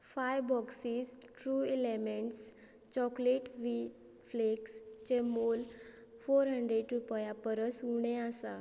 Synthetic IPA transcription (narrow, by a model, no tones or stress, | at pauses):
fajʋbɔksisʈɾuːelemeɳʈs | t͡ɕɔkleʈʋiʈ | flekst͡ɕemol | foɾɦəɳɖɾeɖɾupjapəɾəsuɽ̃easa